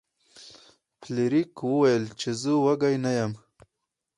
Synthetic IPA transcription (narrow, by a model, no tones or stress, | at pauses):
pleɾikwəwajəlt͡ʃezəwaɡajnajam